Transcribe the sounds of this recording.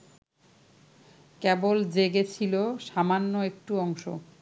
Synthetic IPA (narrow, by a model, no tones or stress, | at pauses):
kɛbold͡ʑeɡet͡ɕʰiloʃamanːoek̚ʈuɔŋʃo̰